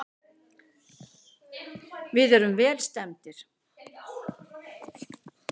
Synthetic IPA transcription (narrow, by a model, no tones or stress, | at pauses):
vɪðɛɾʏmvɛːlst̪ɛmt̪ɪɾ̥